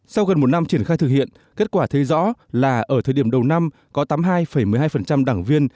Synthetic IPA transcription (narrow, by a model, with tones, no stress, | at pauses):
sa˧wɣə˨˩nmo˨˩t̚na˧mt͡ɕi˧˩ənxaː˧jt̪ɨ˨˩k̚hḭ˧˨ən | ke˦˥t̚kwaː˧˩t̪ʰe˨˦zɔ̰˧˥laː˨˩ʔəː˧˩t̪ʰəː˨˩jɗi˧˩əmɗə˨˩wna˧m | kɔ˨˦t̪aː˨˦mɦaː˧jfə˧˩jmɨ˨˩əjɦaː˧jfə˨˩nt͡ɕa˧mɗaː˧˩ŋvi˧ən